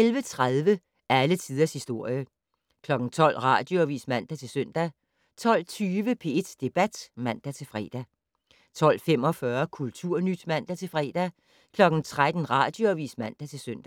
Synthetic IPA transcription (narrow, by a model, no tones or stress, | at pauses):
elʋət͡sʰʁaðˠʋə | ʔælət͡sʰiːð̞ˠɐshisd̥o̝ɐ̰jə | kʰlɒ̽ɡ̥n̩t͡sʰɒ̽l̰ʁɑ̰̈ːd̥joʋḭːsmæn̰d̥æt͡sʰe̝lsøn̰d̥æ | t͡sʰɒ̽l̰t͡sʰyːʋəpʰe̝e̝d̥d̥e̝b̥æd̥mæn̰d̥æt͡sʰe̝fʁɛ̰ːd̥æ | t͡sʰɒ̽l̰fem̰ɒ̽fɶːɐkʰult͡sʰuɐ̰nyd̥mæn̰d̥æt͡sʰe̝lfʁɛ̰ːd̥æ | kʰlɒ̽ɡ̥n̩t͡sʰʁad̥n̩ʁɑ̰̈ːd̥joɒʋḭːsmæn̰d̥æt͡sʰe̝lsøn̰d̥æ